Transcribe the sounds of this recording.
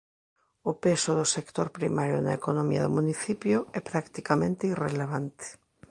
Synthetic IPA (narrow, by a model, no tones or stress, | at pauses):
ʊpesʊðʊsekt̪oɾpɾḭmaɾjo̰naekonomḭa̰ðʊ̰muniθipjʊɛpɾakt̪ikamẽnt̪eireleβ̞ant̪e̥